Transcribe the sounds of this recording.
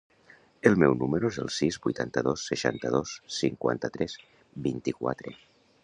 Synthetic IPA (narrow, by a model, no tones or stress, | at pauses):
elˠmɛwnumeɾoezḛlˠsizβujt̪ant̪əðosːeʃa̰nt̪əð̞osːiŋkwa̰nt̪ət̪ɾɛs | bint̪ikwa̰t̪ɾe